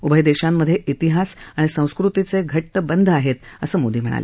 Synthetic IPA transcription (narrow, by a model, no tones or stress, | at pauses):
ubəjd̪eɕamːəd̪ʱːjeʔit̪iɦasaɽ̃isə̃w̃skɾut̪it͡seɡʱəʈːəbənd̪ʱaɦet̪əsəːmod̪iːm̤əɽ̃a̰lḛ